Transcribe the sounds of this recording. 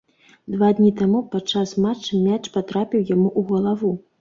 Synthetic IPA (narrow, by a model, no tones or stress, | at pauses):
d̪vad̪nʲit̪amupat͡ʂːasmat͡ʂːɨmʲat͡ʂpat̪ɾapʲiwjamuʔuɣɐlˠavu